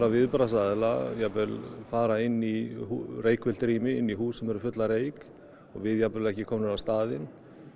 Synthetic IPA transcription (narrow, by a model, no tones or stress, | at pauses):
ɾavɪðpɾasaðɪla̰japɛlfaːɾaɪnːihureːjkvɛl̥t̪ɾiːmɪɪnːiɦuːsɛmɛɾʏfʏt̪laɾeːjk | ɔɣvɪðjapɛlɛhcɪkʰɔːmnʏɾawst̪aːðɪn